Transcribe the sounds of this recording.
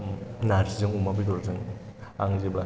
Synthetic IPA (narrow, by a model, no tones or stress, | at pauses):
naɾsizɯŋumabidɔɾazɯŋa̰ŋzibla